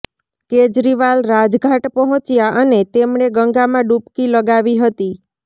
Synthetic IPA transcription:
ked͡ʒɾiʋalɾad͡ʒɡʱaʈpəɦɔ̃t͡ʃjaʔənet̪emɳeɡəŋɡamãɖupkiləɡaʋiɦət̪i

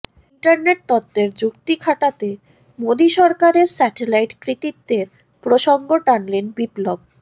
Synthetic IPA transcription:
iɳʈaɾneʈ̚t̪ɔt̪ːeɾd͡ʑukt̪ikʰaʈat̪e | mod̪iʃɔɾkaɾeɾsɛʈelajʈkɾikit̪̚d̪eɾ | pɾoʃoŋɡoʈanlenbiplob̚

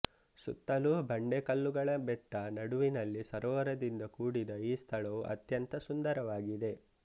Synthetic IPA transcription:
sṵt̪ːɐlubɐɳɖekɐlːuɡɐɭɐbɛʈːɐnɐɽuʋinɐlːisɐɾɔːʋɐɾɐd̪ind̪ɐkuːɽid̪ɐiːst̪ʰɐɭɐʋuʔɐ̰t̪jɐnt̪ɐsund̪ɐɾɐʋaːɡid̪e̞

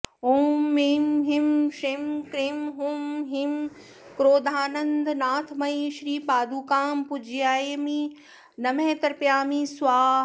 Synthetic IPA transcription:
ɦuːmimɦɪmʃɪmkɾiːmɦuːmɦɪm | kɾoːd̪ʱaːnɐ̃nd̪naːt̪ʰmɐiʃɾiːpaːd̪uːkaːmpʊd͡ʑʱijaːemi | nɐmẽːt̪ɐɾpjaːmĩːsaː

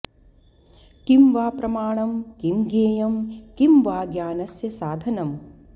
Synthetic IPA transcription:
kimʋaːpɾɐmaːɳɐmkimɡeːjɐmkimʋaːɡjaːnɐsjɐsaːd̪ʱɐnɐm

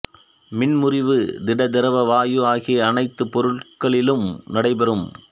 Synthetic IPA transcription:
mɪnmʊrɪʋɯd̪ɪɽɐd̪ɪɾɐʋɐʋaːjɯaːɣiɐɐnɐɪt̪ːɯpɔɾɯɭkɐɭɪlɯmnɐɽɐɪbɐɾɯm

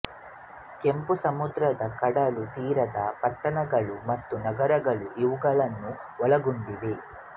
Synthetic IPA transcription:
ke̞mpusɐmud̪ɾɐd̪ɐkɐɽɐlut̪iːɾɐd̪ɐpɐʈːɐnɐɡɐɭumɐt̪ːunɐɡɐɾɐɡɐɭuʔiʋuɡɐɭɐnːuɔɭɐɡuɳɖid̪e̞

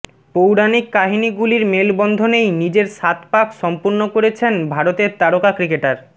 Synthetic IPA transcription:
powɽanikːaɦiniɡuliɾmelbɔnd̪ʱonejnid͡ʑeɾʃat̪pakʃɔmpuɾnokoɾet͡ɕʰenbʱaɾot̪eɾt̪aɽokakɾikeʈaɾ

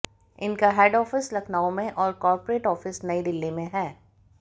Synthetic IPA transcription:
ɪnkaɦɛːɖɔːfɪslɐkʰnaːõmẽʔɔːɾkɔːɾpɾeːʈɔːfɪsnɐid̪ɪlːimẽɦɛː

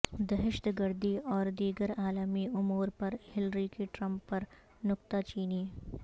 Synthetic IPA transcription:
d̪ɐɦɪʃt̪ɡɐɾd̪iɔːɾd̪iːɡəɾaːləmiʊmuːɾpɐɾhɪlɾikeʈɾɐ̃mpːɐɾ | nʊkt̪at͡ʃiːniː

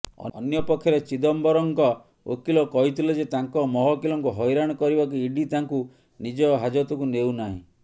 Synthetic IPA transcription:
ɔ̰ɔ̰njɔpɔkʰːjɔɾet͡ʃid̪ɔmbɔɾɔŋkɔ | o̰kilɔkɔɦit̪ʰiled͡ʒet̪aŋkɔmɔɦɔkilɔŋkuɦɔjɾaɽ̃ɔkɔɾibɔk̬iiɖit̪aŋku | nid͡ʒɔɦad͡ʒɔt̪ɔkunewnaɦḭ̃

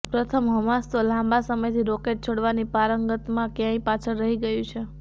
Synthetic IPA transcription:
pɾət̪ʰəmɦəmast̪olãmbasəməjt̪ʰiɾokeʈ̚t͡ʃʰoɽʋanipaɾəŋɡət̪mãkjãĩpat͡ʃʰəɾɾəɦiɡəjũt͡ʃʰe

